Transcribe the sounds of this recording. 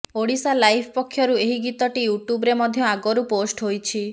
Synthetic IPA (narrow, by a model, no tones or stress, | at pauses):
oɽisalajpʰɔpɔkʰːjɔɾueɦiɡit̪ɔʈijuʈjubɔɾemɔd̪ʱjɔaɡɔɾuposʈɦojt͡ʃʰi